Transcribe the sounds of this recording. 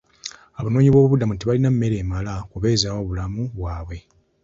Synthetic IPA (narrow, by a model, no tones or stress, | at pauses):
aβano̞ːɲiβwo̞ːβuβudamuntiβalinamːe̞ɾe̞ːmalakuβe̞ːzawoːβulamuβwaːβwe̞